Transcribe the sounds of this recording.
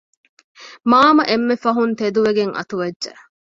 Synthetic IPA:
maːmɐʔemːefɐɦunt̪ed̪uʋeɡeŋʔɐ̰t̪uʋɐdːʒɐ̰

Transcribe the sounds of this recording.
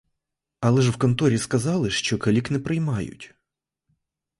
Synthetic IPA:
ɐlˠɛʒwkɔnt̪ɔɾʲiskɐzɑlˠɪʃt͡ʃɔkɐlʲiknɛpɾɪjmɑjʊ̰tʲ

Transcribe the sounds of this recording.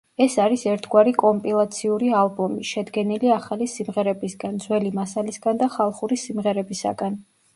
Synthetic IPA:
ɛsaɾisɛɾt̪ʰɡwaɾikʼɔmpʼilˠat̪sʰiuɾialˠbɔmiʃɛd̪ɡɛniliaχalisimʁɛɾɛbisɡand̪zwɛlimasalisɡand̪aχalˠχuɾisimʁɛɾɛbisa̰ɡan

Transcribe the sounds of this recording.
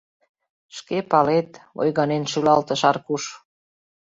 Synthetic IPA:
ʃkepɑlet̪o̰jɣɑnenʃylɑlt̪ə̆ʃɑrkuʃ

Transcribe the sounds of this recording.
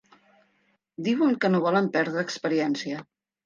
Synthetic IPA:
d̪iwəŋkənoβɔləmpɛɾðɾəːkspəɾiɛnsiə

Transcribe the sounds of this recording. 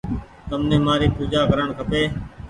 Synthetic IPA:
t̪əmnẽːmaːɾiːpuːd͡ʒaːkəɾəɳkʰəpeː

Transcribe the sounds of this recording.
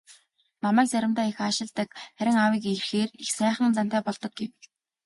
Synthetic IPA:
namæːk̚t͡sæɾʲɪ̆mt̪aːixaʃɪ̆ɮt̪ə̆kχæɾʲɪ̆ŋawiːkerxeːrexsæːχĭnt͡san̥t̪aæːpɔɮt̪ɞ̆k̚ɡew

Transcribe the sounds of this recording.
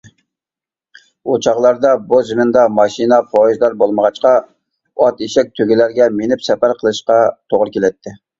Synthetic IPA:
ot͡ʃʰɑʁlˠɑɾd̪ɑbuzmɪnd̪ɑmɑʃinɑpʰoʒd̪ɑɾbolˠməʁɑt͡ʃqɑ | ɑt̪eʃɛk̚ʲt̪ʰøɡʲɪlæɾɡʲɛmenɪpsɛpæɾqʰəlˠɨʃqɑt̪ʰoʁɾkʲelɛt̪ʰːɪ

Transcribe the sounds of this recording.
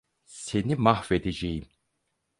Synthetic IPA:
se̞nimahved̪ed͡ʒejim

